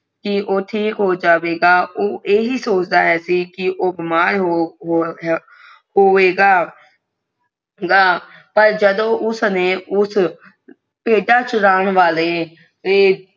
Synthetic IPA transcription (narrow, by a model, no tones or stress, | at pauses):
kɪʔoːʈʰiːkɦoːd͡ʒaːʋeːɡaːʔoːʔeːɦiːsoːt͡ʃd̪aːɦɛːsiːkɪʔoːbɪmaːɾɦɦ | ɦoːʋeːɡaː | ɡaː | pəɾd͡ʒəd̪õːʔʊsneːʊs | peːɖaːt͡ʃɾaːɳʋaːleː | eː